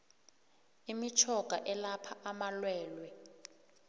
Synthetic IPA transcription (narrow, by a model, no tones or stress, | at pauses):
imit͡ʃʰɔɡ̥ʱaʔɛlapʰaʔamalwɛːlwɛ